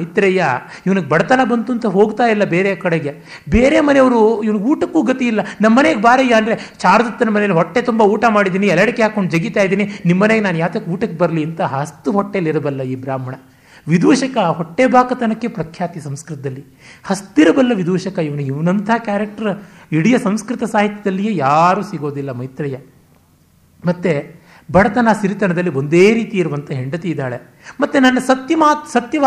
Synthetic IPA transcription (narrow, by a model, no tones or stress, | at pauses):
ɐjt̪ɾɐja | iʋɐnuɡebɐɽɐt̪ɐnɐbɐnt̪uːnt̪ɐɦo̞ːɡt̪aːjilːɐbeːɾekɐɽeɡe | beːɾemɐneɐʋɐɾuiʋɐnuɡuːʈɐkːuːɡɐt̪ijilːɐnɐmːɐneɡebaːɾejːɐɐnd̪ɐɾe̞t͡ʃaːɾɐd̪ɐt̪ːɐnɐmɐnejɐlːiɦɔʈːet̪umbɐuːʈamaːɽid̪iːniɛlɐɽikeɦaːkːoɳɖd͡ʒɐɡit̪aːjd̪iːninimːɐneːɡenaːnjaːʋt̪ɐkːuːʈɐkːebɐɾɐliɐnt̪ɐɦɐst̪uɦɔʈːeliɾɐbɐlːɐiːbɾaːmɐɳɐ | ʋid̪uːʃɐkɐɦoʈːebʱaːkɐt̪ɐnɐkːepɾɐkʰjaːt̪ijɐsɐmskɾɪt̪ɐd̪ɐlːi | hɐst̪iɾɐbɐlːɐʋid̪uːʃɐkɐiʋɐnuiʋɐnɐnt̪ʰɐɦɐkjaːɾek̚ʈɐɾiɽijɐsɐmskɾit̪ɐsaːɦit̪jɐd̪ɐlːijeːjaːɾuːsiɡo̞ːd̪ilːɐmɐjt̪ɾɐjɐ | mɐt̪ːe | bɐɽɐt̪ɐnasiɾit̪ɐɳɐd̪ɐlːiond̪eːɾiːt̪iiɾuʋɐnt̪ʰɐɦeɳɖɐt̪eid̪aːɭe | mɐt̪ːenɐnːɐsɐt̪jɐmaːsɐt̪jɐʋ